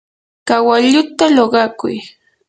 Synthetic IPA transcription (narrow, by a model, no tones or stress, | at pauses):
kawaʎʊt̪aloɢɑkʊ̰j